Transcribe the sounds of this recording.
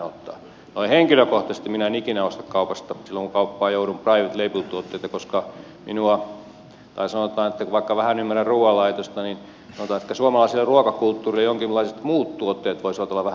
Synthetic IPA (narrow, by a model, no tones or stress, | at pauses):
ot̪ːɑ̰ː | noiheŋkiløkoht̪ɑsest̪iminæenikinæost̪ɑkkɑupɑst̪ɑsilːoŋkukɑupːɑːjouɾumprɑiʋet̪leipult̪uot̪ːeit̪ɑkoskɑ | mḭnuɑ | t̪ɑ̰isɑnot̪ˑɑːnet̪ːækuʋɑikːɑʋæhænymːærærruːwɑlɑit̪ost̪ɑnin | sɑnot̪ɑːnet̪kːæsuomɑlɑˑisilːeruokɑkult̪ːuːrilːejoŋkilːɑiset̪muːt̪t̪uot̪ːeːt̪ʋoisʋɑt̪olːɑʋææ